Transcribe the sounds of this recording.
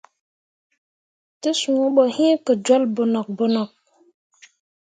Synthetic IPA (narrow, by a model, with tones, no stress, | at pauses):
tə˦su˨o˦ɓo˨hĩ˦kə˨d͡ʒwo˦lbo˨nɔ˨k̚bo˨nɔ˨k̚